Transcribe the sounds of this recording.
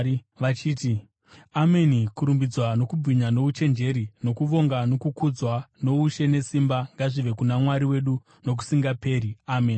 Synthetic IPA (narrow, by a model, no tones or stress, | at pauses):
at͡ʃiːti | ame̞nikuɾumbid͡zwano̞kubb͡viɲano̞ut͡ʃe̞nd͡ʒe̞ɾino̞kuʋo̞ŋɡano̞kukud͡zwano̞uʃe̞ne̞simbaŋɡaʐiʋe̞kunamwaɾiwe̞ɗu | no̞k̬u̥siŋɡape̞ːɾiameːn